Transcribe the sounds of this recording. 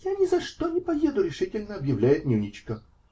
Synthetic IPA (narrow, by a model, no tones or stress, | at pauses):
janʲɪzɐʂt̪onʲɪpɐje̞d̪ʊɾʲɪʂɨtʲɪlʲnəɐbjɪvlʲæjɪt̪nʲunʲɪt͡ɕkə